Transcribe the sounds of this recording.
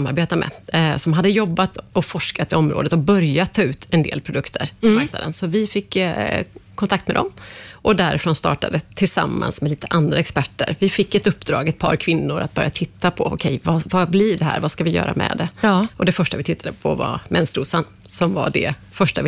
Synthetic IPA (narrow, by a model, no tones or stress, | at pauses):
maɾbeːt̪amʔɛ̰sɔmɦad̪ːəjɔbːat̪ɔfɔʂkat̪ɪɔmɾʔoːd̪ət̪ɔbœɾjat̪ʰːɑːʉ̟ːt̪ʰɛnd̪ḛːlpʰɾʊd̪ɵkt̪ʰəɾpɔmaɾkna̰d̪ənsɔvɪfɪkː | kʰɔnakt̪mɛd̪ɔ̰mʔɔd̪æɾɪfɾoːnst̪ɑ̰ːʈad̪ət̪ʰɪlsa̰mːa̰nsmɛliːt̪ə̥ʔand̪ɾaɛkspæʈːə̰ɾvɪfɪkːɛt̪ɵpːd̪ɾɑ̰ːɡɛt̪̚pʰɑ̰ːɾkʰvɪnːʊɾa̰t̪̚bœɾjat̪ʰɪt̪ʰːapʰɔɔkʰɛjvavablɪɖɛhæ̰ːɾvaskavɪjœ̰ːɾa̰mʔɛ̰d̪ɛɔd̪ɛfœʂʈavɪt̪ʰɪt̪ʰːad̪əpʰɔva̰mʔɛnst̪ɾuːsan | sɔmva̰ɖɛ̰ | fœʂʈavɪ